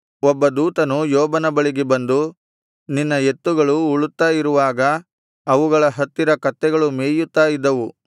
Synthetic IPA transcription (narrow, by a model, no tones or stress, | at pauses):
ɔbːɐd̪uːt̪ɐnujɔːbɐnɐbɐɭiɡebɐnd̪u | ninːɐe̞t̪ːuɡɐɭuːɭut̪ːaːjiɾuʋaːɡɐː | ʋuɡɐɭɐɦɐt̪ːiɾɐkɐt̪ːɛɡɐɭumeːjut̪ːaːjid̪ːɐʋu